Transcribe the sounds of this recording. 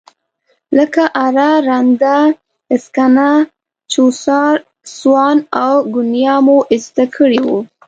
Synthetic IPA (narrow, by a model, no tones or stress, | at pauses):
ləkaʔaɾaɾand̪a | ɪskana | t͡ʃosɑɾ | swɑnawɡʊnjɑmoʔɪst̪akʰəɽiwu